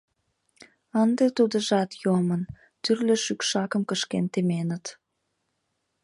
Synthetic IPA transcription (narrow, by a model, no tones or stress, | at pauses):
ənd̪et̪ud̪əʒɑt̪jomən | t̪yrlø̆ʃykʃɑkəmkəʃkent̪emenət̪